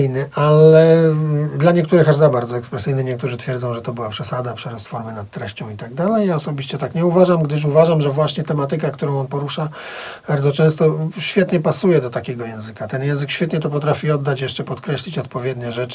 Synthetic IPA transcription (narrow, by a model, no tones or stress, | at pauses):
jnɘʔalɛd̪laɲɛk̚t̪uɾɘxaʐzabaɾd̪zɔɛkspɾɛsɘjnɘɲɛk̚t̪uʐɘt̪fʲjɛɾd̪zɔ̃w̃ʐɛt̪ɔbɘwapʂɛsad̪apʂɛɾɔst̪fɔɾmɛnat̪tːɾɛɕt͡ɕɔ̃w̃it̪aɡ̚d̪alɛjjaɔsɔbʲiɕt͡ɕɛt̪akɲɛuvaʐamɡd̪ɘʂ̬uvaʐamʐɛvwaɕɲɛt̪ɛmat̪ɘkakt̪uɾɔ̃w̃ɔnpɔɾuʂa | baɾd̪zɔt͡ʂɛ̃w̃st̪ɔɕfʲjɛt̪ɲɛpasujɛd̪ɔt̪akʲɛɡɔjɛ̃w̃zɘkat̪ɛnjɛ̃zɘkɕʲfʲɛt̪ɲɛt̪ɔpɔt̪ɾafʲiɔd̪ːat͡ɕjɛʂt͡ʂɛpɔt̪kɾɛɕlʲit͡ɕɔt̪pɔvʲjɛd̪ɲɛʐɛt͡ʂ